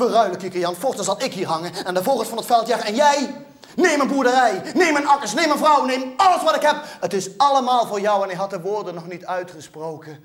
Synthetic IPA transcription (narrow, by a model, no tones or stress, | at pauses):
ʋərœɥləkikəjɑnfʊχtənzɑlˠɪkɦiːɹɦɑŋənɛndəvoːətfɑnətfɛlˠtjaːχɛnjɛj | nejmənbuɹdərɛjnejmənɑkəsnejmənvrɔwnejmɑlˠəsʋɑtɪkɦɛpətɪsɑlˠəmaːlˠvʊːɹjɔwɛnɪkɦɑt̚dəʋʊːɹdənɔχnitœɥtχəsprowkə